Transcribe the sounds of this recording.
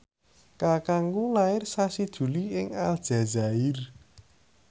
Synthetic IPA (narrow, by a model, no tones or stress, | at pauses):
kakaŋɡulaɪrsasid̥ʒ̥ṳliɪŋald̥ʒ̥a̤za̤ɪr